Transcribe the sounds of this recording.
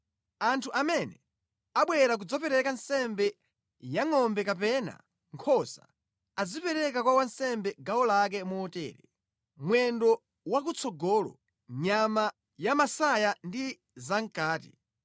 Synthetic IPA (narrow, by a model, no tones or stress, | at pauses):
antʰuʔamɛnɛ | aɓwɛɾak̬ud͡zɔpɛɾɛkansɛmbɛ | jaŋɔmbɛkap̬ɛna̰ | ŋkʰɔsa̰ | ad͡zipɛɾɛkakwawansɛmbɛɡawɔlak̬ɛmuɔtɛ̰ːɾɛ | mwɛndɔ | wakut͡sʰɔɡɔlɔ̰ | ɲama | jamasajandi | zaŋ̩kaːti